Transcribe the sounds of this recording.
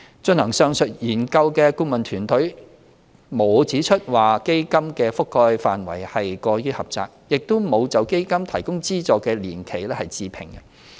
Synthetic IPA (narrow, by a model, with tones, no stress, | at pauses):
t͡ʃɵ˧nhɐ˨˩ŋsœː˧ŋsɵ˨t̚jiː˨˩nkɐ˧wkɛː˧ku˥ŋmɐ˨nt̪ʰyː˨˩nt̪ʰɵ˨˥ɥ | mo˨˧wt͡siː˨˥t͡ʃʰɵ˥t̚waː˨˩ke˥jkɐ˥mkɛː˧fʊ˥kʰːɔː˧jfaː˨nwɐ̰˨˩jhɐ˨jkɔː˧ɥyː˥hɐ˨p̚t͡sa̰ː˨k̚jɪ˨k̚t̪o˥wmo˨˧wt͡sɐ˨˧wke˥jkɐ˥mt̪ʰɐ˨˩jkʊ˥ŋt͡siː˥t͡sɔː˨kːɛː˧liː˨˩nkʰe˨˩jlɛː˥hɐ˨jt͡siː˧pʰɪ˨˩ŋɐ˧